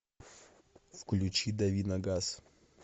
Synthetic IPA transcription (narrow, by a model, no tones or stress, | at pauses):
fklʲʉt͡ɕid̪ɐvʲinɐɡas